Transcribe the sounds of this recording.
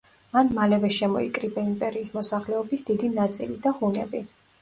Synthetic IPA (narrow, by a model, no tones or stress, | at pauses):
manmalɛvɛʃɛmɔḭkʼɾibaimpʼɛɾiːsmɔsaχlɛɔbisd̪̥id̪inat̪sʼilid̪ahunɛ̰bi